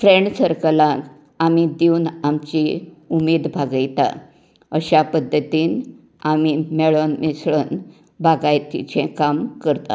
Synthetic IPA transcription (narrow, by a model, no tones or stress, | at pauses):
fɾeɳɖsəɾkəlãk | amid̪eunamt͡ɕiumed̪bʱaɡajt̪a̰ | əɕapəd̪ʱːət̪iːn | amimeɭonmisɭən | bʱaɡajt̪ḭt͡ɕɛ̃kamkəɾt̪a̰